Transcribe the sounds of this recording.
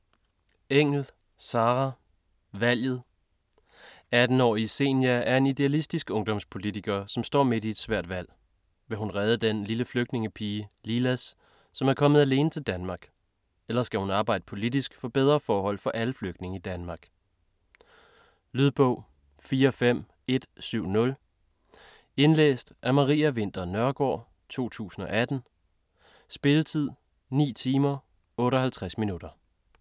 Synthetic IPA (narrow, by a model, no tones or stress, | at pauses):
eŋ̰l̩ | sɑ̈ːʁɑ | ʋæl̰jð̞̩ˠ | æd̥n̩ɒ̰ːise̝̰ːnjææɐe̝nid̥e̝ælisd̥isɡ̥ɔ̽ŋd̥ɒ̽mspʰo̝lit͡sʰiɡ̥ɐsɒ̽msd̥ɒ̰ːme̝d̥ie̝d̥sʋæɐ̰d̥ʋæl̰ | ʋe̝ɦunʁɛːð̞ˠəd̥enliləfløɡ̥̚d̥ne̝ŋəpʰiːəlilæsː | ɒ̽mæɐkʰɒ̽məð̞̩ˠæle̝ːnət͡sʰe̝ld̥ænmɑ̈ːɡ̥ | elɐsɡ̥æhunɑ̈ːb̥ɑ̈ɪ̰d̥əpʰo̝lidisɡ̥fɒ̽b̥eð̞ˠʁɐfɒːɦɒ̽l̰fɒ̽ʔæləfløɡ̥d̥ne̝ŋəid̥ænmɑ̈ːɡ̥ | lyðˠb̥ɔ̽ʊ̰ | fiːɐfem̰ | e̝d̥syʊ̰nɔ̽l | e̝nlḛːsd̥ʔæɐmɑ̈ʁḭːæʋe̝n̰d̥ɐnɶɐɡ̥ɒ̰ː | t͡sʰo̝̰ːt͡sʰṵːsn̩ɒ̽ʔæd̥n̩ | sb̥e̝lət͡sʰið̞̰ˠ | nḭːt͡sʰiːmɐ | ɔ̽ːɾɒ̽hælt͡sʰʁasminud̥ɐ